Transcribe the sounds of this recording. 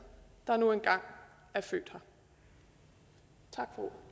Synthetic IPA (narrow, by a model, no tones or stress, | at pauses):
d̥ɑ̈nuenɡ̥ɑ̈ŋ̰ | æɐfø̰ːd̥hɑ | t͡sʰɑɡ̥fo